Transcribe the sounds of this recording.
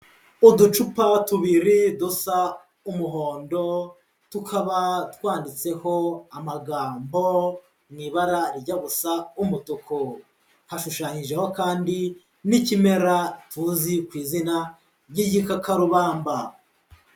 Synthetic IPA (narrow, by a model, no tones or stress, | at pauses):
udut͡ʃupatuβiɾidosa | umuɦo̞ːndo̞ | tukʰaβatwaːndit͡se̞ho̞amaɡaːmbo̞ | mŋiːβaɾaɾɟaβusaumutukʰo | haʃuʃaːɲiʒe̞ho̞kaːndi | nicime̞ɾatuzikwiːzina | ɾɟiɟikakaɾuβaːmba